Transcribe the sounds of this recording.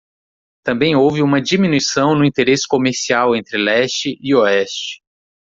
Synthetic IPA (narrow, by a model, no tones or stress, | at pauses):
t̪ɐ̃mbẽj̃owvɪũmɐd͡ʒiminuisɐ̃w̃nʊĩnt̪eɾesɪ̥komeɾsiawẽnt̪ɾɪlɛst͡ʃɪʔɪoɛst͡ʃɪ̥